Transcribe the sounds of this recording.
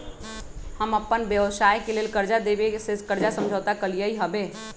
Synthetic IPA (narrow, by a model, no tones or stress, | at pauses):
həməpːənbjəʋsaːjkeleːlkəɾd͡ʒad̪eːbesekəɾd͡ʒasə̃md͡ʒʱəːt̪akəlijəiɦəbeː